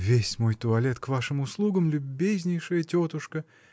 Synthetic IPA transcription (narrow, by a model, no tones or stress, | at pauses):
vʲesʲmojt̪ʊɐlʲet̪kvaʂɨmʊslˠuɡəmlʲʊbʲːezʲnʲɪjʂɨjətʲot̪ʊʂkə